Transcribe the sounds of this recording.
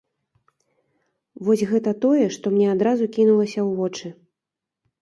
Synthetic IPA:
vɔsʲɣɛt̪ɐt̪ɔjɛʂt̪ɔmnʲɛad̪ɾazukʲinulˠɐsʲɐwvɔt͡ʂɨ

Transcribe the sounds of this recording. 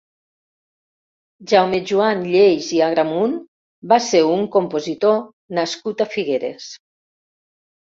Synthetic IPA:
ʒawmeʒuanʎejziaɣɾamun | baseuŋkompozit̪o | naskut̪afiɣeɾḛs

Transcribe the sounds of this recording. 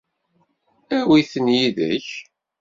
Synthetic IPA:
æwiθənjiðə̰ç

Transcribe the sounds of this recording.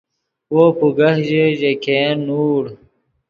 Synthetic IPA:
woːpuɡɐhʑeʑekenuːɽ

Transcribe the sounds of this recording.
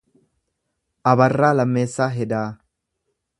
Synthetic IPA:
ʔɐbɐrːaːlɐmːeːsːaːɦɛd̪aː

